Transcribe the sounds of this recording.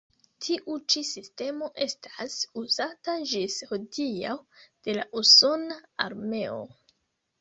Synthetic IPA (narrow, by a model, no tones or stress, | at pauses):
tʰiʔut͡ʃisiste̞mo̞ʔe̞stʰasuzataʒishodiawd̥e̞la̰ʔuso̞naa̰ɾme̞o̞̰